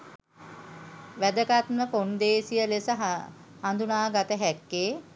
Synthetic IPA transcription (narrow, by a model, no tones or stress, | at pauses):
ʋæd̪əkat̪məkond̪eːsijəlesəɦ | hand̪unaːɡat̪əɦɛkːeː